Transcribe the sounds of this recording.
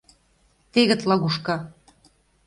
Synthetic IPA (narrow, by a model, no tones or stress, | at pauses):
t̪eɣə̆t̪lɑɣuʃkɑ